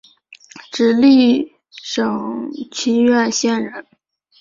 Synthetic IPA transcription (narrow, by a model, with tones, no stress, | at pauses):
ʈ͡ʂɻ̩˨˩li˥˩ | ʂɤ˨˩ŋt͡ɕʰi˧˥nɥɛ˥˩nɕjɛ˥˩nɻə˧˥n